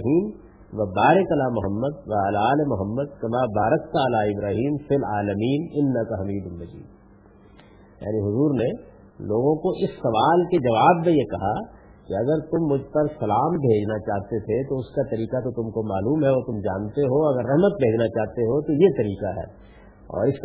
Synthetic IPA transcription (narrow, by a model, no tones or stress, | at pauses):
ɦiːm | ʋɐbaːɾəkɐlaːmʊɦəmːəd̪̚ʋɐɐlaːlemʊɦəmːəd̪̚kɐmaːbaːɾək̚t̪aɐlaːɪbɾaːɦiːmfɪlaːləmiːnɪnːɐkɐɦɐmiːd̪ʊnːɐd͡ʒḭːd̪̚ | ja̰ːniɦʊzuːɾne | loːɡõkoʔɪsːɐʋaːlked͡ʒɐʋaːbmẽjekɐɦa | kiɐɡəɾt̪ʊmːʊd͡ʒʱpɐɾsɐlaːmbʱeːd͡ʒnat͡ʃaːɦt̪et̪ʰet̪oʊskat̪ɐɾiːkat̪ot̪ʊmkomaːluːmɦɛʋot̪ʊmd͡ʒaːnt̪eɦoɐɡəɾːɐɦmət̪̚bʱeːd͡ʒnat͡ʃaːɦt̪eɦot̪ojet̪ɐɾiːkaɦɛ̰ː | ɔ̰ːɾɪs